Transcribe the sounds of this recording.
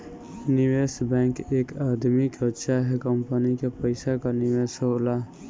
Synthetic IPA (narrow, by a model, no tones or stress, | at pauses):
niwesbɛ̃ŋkekad̪mikəʃʰaɦɛkəmpənikepəɪsakaniwesola